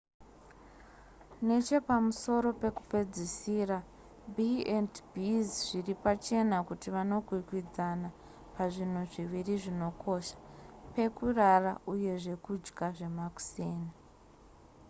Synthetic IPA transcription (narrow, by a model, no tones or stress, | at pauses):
ne̞t͡ʃe̞pamuso̞ɾo̞pe̞ku̥pe̞d͡zisiːra | biendbizʐiripat͡ʃe̞nakutiʋano̞ɡʱwikwid͡zana | paʐin̤uʐiʋiriʐino̞kʰo̞ʃḁpe̞kurarauje̞ʐe̞kud͡ʒɡaʐe̞maku̥seːne